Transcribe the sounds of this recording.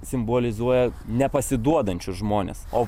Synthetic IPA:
sʲɪmboːlʲɪzuɔjɛnʲɛpɐsʲɪd̪uɔd̪ɐnʲt͡ʃʲʊsʒmoːnʲḛːsoː

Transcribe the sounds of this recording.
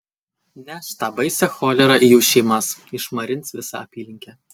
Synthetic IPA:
nʲɛʃʲt̪ɑːbɐɪsʲɛxoːlʲɛɾɐʔɪjuːʃʲɛɪmɐsɪʃmɐɾʲɪnt̪sʋʲɪsɐ̰ɐpʲiːlʲɪŋʲkʲɛ

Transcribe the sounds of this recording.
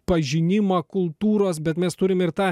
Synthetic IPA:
pɐʒʲɪnʲɪmɐkʊlˠt̪uːɾoːs̬bʲɛt̪mʲɛst̪ʊɾʲɪmɪɾt̪ɑː

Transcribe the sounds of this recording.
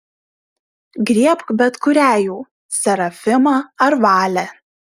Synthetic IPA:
ɡɾʲiɛpkbʲɛt̪kʊɾʲæːjuː | sʲɛɾɐfʲɪmɑːɐɾʋɑːlʲɛ

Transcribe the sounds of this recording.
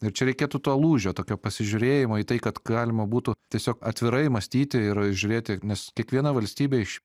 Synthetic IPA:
ɪɾt͡ʃʲɛɾʲɛɪkʲeːt̪ut̪oːlˠuːʒʲoːt̪oːkʲoːpɐsʲɪʒʲʊɾʲeːjɪmoːiːt̪ɐɪkɐt̪ɡɑːlʲɪmɐbuːt̪ʊt̪ʲiɛsʲoːkɐt̪ʲʋʲɪɾɐɪmɐsʲt̪ʲiːt̪ʲɪɪɾʒʲʊɾʲeːt̪ʲɪnʲɛskʲiɛkʋʲiɛnɐʋɐlʲsʲt̪ʲiːbʲeːɪʃ

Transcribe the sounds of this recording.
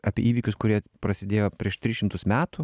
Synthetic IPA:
ɑːpʲiɛiːʋʲiːkʲʊskʊɾʲiɛpɾɐsʲɪd̪ʲeːjoːpʲɾʲiɛʃt̪ʲɾʲɪːʃʲɪmt̪ʊsmʲæːt̪uː

